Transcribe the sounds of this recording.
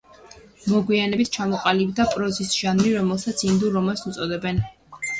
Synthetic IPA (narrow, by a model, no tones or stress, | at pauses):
mɔɡwianɛbit̪̚ʰt͡ʃʰamɔqʼalibd̪apʼɾɔzisʒanɾiɾɔmɛlˠsat̪sʰind̪uɾɔmasut̪sʼɔd̪ɛbɛn